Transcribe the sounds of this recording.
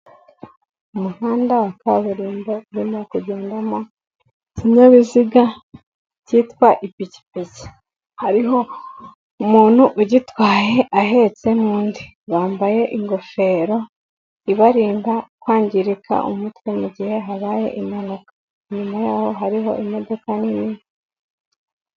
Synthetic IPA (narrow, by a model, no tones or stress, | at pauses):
umuhaːndawaka̰βuɾiːmbo̞βinokuɟe̞ːndamo | ciɲoβiziɡa | citwaʔipici̥pezi̥ | haɾiɦo̞ | umuːn̥huʔuɟitwaːje̞ʔaɦe̞t͡se̞nuːndi | βaːmbaje̞ʔiŋɡo̞fe̞ːɾo̞ | iβaɾiːmbakwaːɲɟiɾikʰa̰ʔṵmutwemuɟihe̞ɦaβaːje̞̰ʔimanukḁ | iɲumajaːho̞ɦaɾiɦo̞̰ʔimo̞do̞kanini